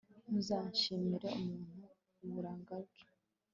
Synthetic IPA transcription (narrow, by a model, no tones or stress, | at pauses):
muzaːɲʃimiɾeumuːn̥u | βuɾaːŋɡaβɟo̥